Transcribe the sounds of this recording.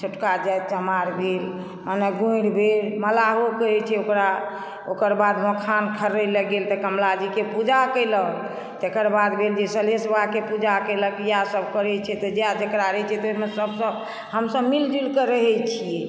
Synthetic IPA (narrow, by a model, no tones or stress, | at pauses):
t͡ʃʰoʈkad͡ʒat̪t͡ʃəmaɾbʱel | maneɡũɽbʱelməlaɦokəɾɛt͡ʃʰɛokɾa | okəɾbad̪məkʰankʰəɾəjləɡelt̪ɔkəmlad͡ʒikepud͡ʒakəɪlək | t̪ekəɾbad̪bʱeld͡ʒesəlesbʱakepud͡ʒakələkijasəbʱkəɾɛt͡ʃʰɛt̪ɔd͡ʒead͡ʒekɾaɾɛt͡ʃʰɛt̪omesəbsəb | ɦəmsəbmild͡ʒulkəɾəɦɛjt͡ʃʰijɛ